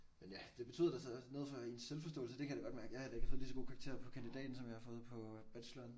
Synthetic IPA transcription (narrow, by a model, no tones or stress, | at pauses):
menjæd̥e̝b̥e̝t͡sʰy̰ðˠɐd̥æsɒno̝ːðˠfɒinsːelfɒsd̥ɔ̰ːl̩səd̥e̝kʰæjd̥ɪɡɒ̽d̥mæɐɡ̥əjɑ̈hɑd̥ɑe̝ɡ̥əfɔːð̩ˠisɒɡ̥o̝ːkʰɑ̈ɡ̥̚t͡sʰe̝̰ɐpʰɒ̽kʰænd̥id̥ɛ̰ːd̥n̩sɒ̽mjɑ̈hɑ̈fɔ̽ːð̩ˠpʰɒ̽b̥æ̥ɕlɒn